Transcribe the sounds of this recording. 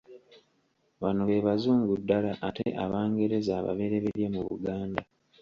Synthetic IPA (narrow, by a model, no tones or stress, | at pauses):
βanoβe̞βazuːŋɡudːalaʔateʔaβaːŋɡe̞ɾe̞zaːβa̰βe̞ɾeβeɾjemuβṵɡaːnda